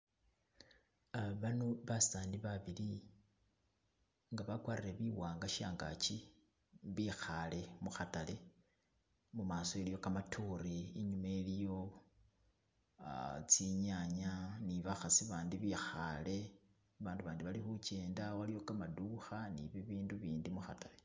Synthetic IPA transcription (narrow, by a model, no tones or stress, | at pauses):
aβanoβasaːndiβaβili | ŋɡaβakwaːɾiɾe̞βiwaːŋɡaʃaːŋɡa̰t͡ʃi | βixale̞muxatale̞ | mumaːsoelijo̞kamatʰuɾiːɲumaelijo̞ | t͡siɲaɲaniβaxasiβaːndiβixale̞ | βaːnduβaːndiβalixut͡ʃe̞ːndawalijo̞kamaduxanḭβiβiːnduβiːndimuxatale